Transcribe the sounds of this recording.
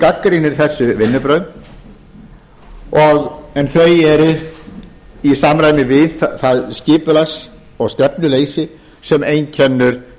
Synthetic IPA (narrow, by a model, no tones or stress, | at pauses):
kakːɾinɪɾ̥θɛsːʏvɪnːʏpɾœɥn | ɔɣɛnθejɛɾ | isaːmɾaːjmɪvɪðθaðscɪːpʏlaxs | ɔɣst̪ɛpnʏleːjsɪ | sɛmejncʰɛnːʏɾ̥